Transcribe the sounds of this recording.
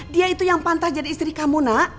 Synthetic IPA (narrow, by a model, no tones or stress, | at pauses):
diait̪ujaŋpant̪ahd͡ʒadiːst̪ɾikamuna